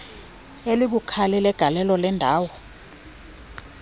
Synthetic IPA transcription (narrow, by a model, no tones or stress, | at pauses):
elik̬ukʰalɛlɛɡ̥ʱalɛlɔlɛndʱaːwɔ